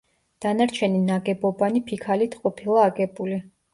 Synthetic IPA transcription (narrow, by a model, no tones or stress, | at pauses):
d̪̥anaɾt͡ʃʰɛninaɡɛbɔbanipʰikʰalit̪ʰqʼɔpʰilˠaːɡɛbuli